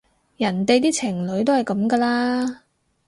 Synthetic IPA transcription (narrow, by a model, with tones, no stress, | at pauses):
jɐ˨˩nt̪e˨jt̪iː˥t͡sʰɪ˨˩ŋlɵ˨˥ɥt̪o˥whɐ˨˩jkɐ˨˥mkɐː˧laː˥